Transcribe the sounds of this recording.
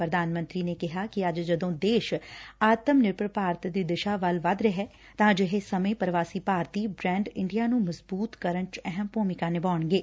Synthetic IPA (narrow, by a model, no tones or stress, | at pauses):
pɾəd̪aːnmə̃nt̪ɾiːneːkɪɦaːkɪəd͡ʒd͡ʒəd̪õːd̪eːʃaːt̪əmnɪɾpɾpaːɾt̪d̪iːd̪ɪʃaːʋəlʋəd̪ɾɛɦɛː | t̪ãːd͡ʒɪɦeːsəmẽːpəɾʋaːsiːpaːɾt̪iːbɾɛ̃ːɳɖɪ̃ɳɖijaːnũːməzbuːt̪kəɾənt͡ʃɛɦəmpuːmɪkaːnɪbaːɳɡeː